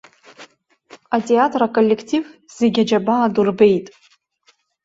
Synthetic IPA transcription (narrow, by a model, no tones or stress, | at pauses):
atʼe̞atʰʼrakʼolʲːe̞kʰtʰiv | z̥eɡʲad͡ʒabaːdurbe̞jtʼ